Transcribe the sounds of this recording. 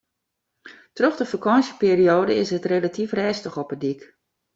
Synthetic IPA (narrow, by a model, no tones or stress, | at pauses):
trøχdəfakɔnsəpiːrioːdəɪsətrelatifrɛːstəxɔpədik